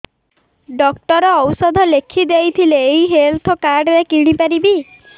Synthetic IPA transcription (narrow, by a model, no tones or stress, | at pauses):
ɖɔkʈɔɾɔɔwsɔd̪ʱɔlekʰid̪ejt̪ʰileːjɦelt̪ʰɔkaɾɖɾekiɽ̃ipaɾibi